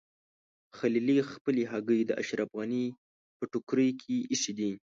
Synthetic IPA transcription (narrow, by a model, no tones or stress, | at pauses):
xalilixpəleɦaɡəjd̪əʔa̰ʃɾafɣani | pəʈʊkɾəjkʰeʔiʃid̪i